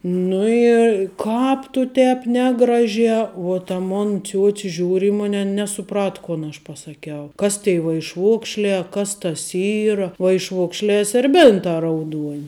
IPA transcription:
ˈnʊ ɪ ˈkɑːp tʊ ˈtʲɛːp ˈnʲæːɡrɐˌʒʲæː uɔ tɐ ˈmoːn ˈt͡sʲuɔt͡sʲɪ ˈʒʲuːrʲ ɪ ˈmʊnʲ ˈɐn nʲɛsʊˈprɐt ˈkoːn ɐʃ pɐsɐˈkʲɛʊ ˈkɐs tʲɛɪ ʋɐɪʃˈʋoːkʃʲlʲɛː ɐ ˈkɐs tɐs ˈiːrɐ ʋɐɪʃˈʋoːkʃʲlʲɛː sʲɛrʲˈbʲeːntɑː rɐʊˈduɔnʲ

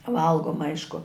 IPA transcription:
ˈʋɐlˠɡoːmɐ ˈɐɪʃkʊ

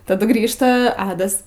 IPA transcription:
tɐˈdʊ ˈɡrʲiːʃtɐ ˈɑːdɐs

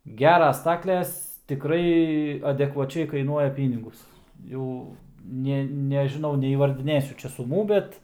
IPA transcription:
ˈɡʲæːrɐs ˈstɑːklʲɛs tʲɪˈkrɐɪ ɐdʲɛkʋɐˈt͡ʃʲɛɪ kɐɪˈnuɔjɛ ˈpʲiːnʲɪɡʊs ˈjɛʊ ˈnʲeː nʲɛʒʲɪˈnɐʊ nʲɛiːʋɐrʲdʲɪˈnʲeːsʲʊ ˈt͡ʃʲɛ sʊˈmuː ˈbʲɛt

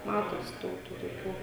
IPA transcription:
ˈmɑːtoːsʲɪ ˈdɐʊk tuː toːˈkʲuː

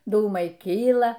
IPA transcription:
ˈduːmɐɪ ˈkʲiːlˠɐ

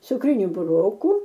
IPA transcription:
t͡sʊkˈrʲɪnʲʊ bʊˈroːkuː

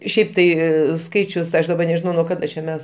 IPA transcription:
ˈʃʲɛɪp ˈtɐɪ ˈskɐɪt͡ʃʲʊs ˈɐʃ dɐˈbɐ nʲɛʒʲɪˈnɐʊ nuɔ ˈkɑːdɐ t͡ʃʲɛ ˈmʲɛs

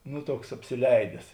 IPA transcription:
ˈnʊ ˈtuɔks ɐpʲsʲɪˈlʲɛɪdʲɛs

